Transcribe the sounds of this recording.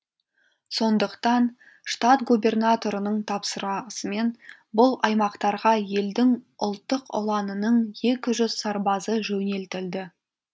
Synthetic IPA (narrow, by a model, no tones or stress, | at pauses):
so̞nd̪əqt̪ɑn | ʂt̪at̪ɡubʲe̞rnat̪o̞ɾənəɴt̪ʰɑpsəɾɑsəme̞n | bʊlˠɑjmɑqt̪ɑɾʁɑje̞ld̪ɪŋʊ̰lˠt̪ːəqʊ̰lˠɑnənəɴje̞kʲɪʒʏzsɑɾbɑzəʒɵne̞lt̪ɪld̪ɪ